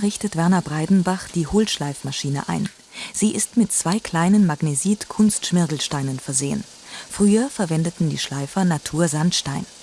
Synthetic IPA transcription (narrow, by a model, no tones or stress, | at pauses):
ʁɪçtətv̥ɛɐnɐbʁaɪdn̩baχd̥iːhʊlʃlaɪfmaʃiːnə̰ʔa̰ɪn | z̥iːʔɪstmɪt̚t͡sv̥aɪkʰl̥aɪnənmaɡneziːtkʰʊnstʃmɪɐɡl̩ʃtaɪnənfɛɐzeːə̰n | fʁ̥yːɐfɛɐvɛndətn̩dḭːʃlaɪfɐnatʰuːɐzantʃtaɪn